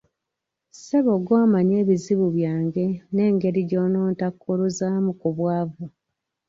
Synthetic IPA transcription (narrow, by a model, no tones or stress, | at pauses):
seβoɡwaːmaɲe̞ːβiziβuβjaːŋɡe̞ne̞ːŋɡe̞ɾiɟo̞noːntakːuɾuzamukuβwaːvu